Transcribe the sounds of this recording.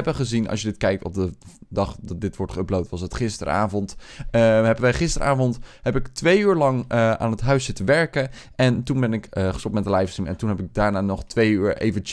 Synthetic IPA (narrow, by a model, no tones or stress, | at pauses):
ɛbəχəzinɑ̰sʃjədɪtkɛjk̚tɔ̰b̚dədɑχdɑt̚dɪtʋɔɹtχəəblowtʋɑsətχɪstə̰ra̰ːvɔnt | ɦɛbəʋɛjχɪstərʔa̰ːvɔntɦɛpɪktʋejyːɹlɑŋa̰ːnɦətɦœɥszɪtəʋɛɹkən | ɛntunbɛnɪkχə̥stɔp̚mɛtdəlajfstimɛ̰ntunɦɛpɪɡ̚daːɹnaːnɔχtʋejyːɹḛjvət͡ʃ